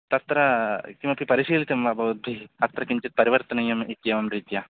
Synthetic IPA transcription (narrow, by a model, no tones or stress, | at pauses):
t̪ɐt̪ɾɐkimɐpipɐɾiʃiːlit̪ɐmʋɐbʱɐʋud̪̚bʱiɐt̪ɾɐkiɲt͡ʃit̪̚pɐɾiʋɐɾt̪ɐnɐjɐmikːjɐʋɐmɾiːt̪jɐ